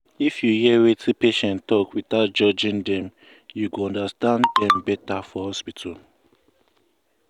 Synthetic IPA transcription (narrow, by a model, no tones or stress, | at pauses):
ifjujɛwetʰipeʃɛ̃ntɔkwitaʊt̚d͡ʒɔd͡ʒĩndɛ̃m | juɡoɔ̃ndastãndɛ̃mbɛtafɔhɔspitʰal